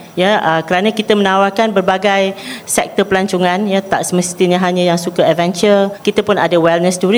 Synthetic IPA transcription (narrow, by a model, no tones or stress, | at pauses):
jaəkəɾanãkit̪əmənawarkanbərbaɡajsɛk̚t̪əpəlaɲt͡ʃuŋãnjat̪a̰ʔsəməst̪iɲə̃ɦaɲãjaŋsukaɛvɛnt͡ʃərkit̪əpʊnadawɛlnəsduɾi